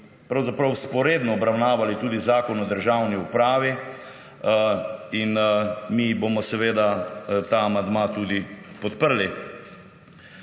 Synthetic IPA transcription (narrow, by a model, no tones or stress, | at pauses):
pɾawzapɾɐwspɔɾeːd̪nɔɔbɾawnaːʋalit̪uːd̪izaːkɔnɔd̪əɾʒawniupɾaːʋi | inmibomɔsɛʋeːd̪at̪aːmand̪mat̪uːd̪ipɔt̪pəɾli